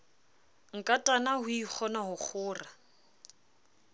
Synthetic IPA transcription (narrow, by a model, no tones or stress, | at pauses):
ŋ̩kʼatʼanahʊik͡xʰɔnaɦʊk͡xʰʊːra